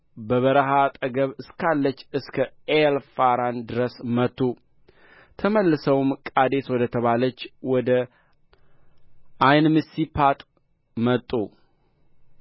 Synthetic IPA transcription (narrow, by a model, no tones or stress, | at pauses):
bəβəɾəɦat̪ʼəɡəβɨskʰalːət͡ʃːɨskʰə | elfaɾand̪ɨɾəsmət̪ʰʼːu | t̪ʰəməlːɨsəwmkʼad̪e̞swɔd̪ət̪ʰəβalət͡ʃːwɔd̪ə | ʔajnmɨsipʰat̪ʼ | mət̪ʼːu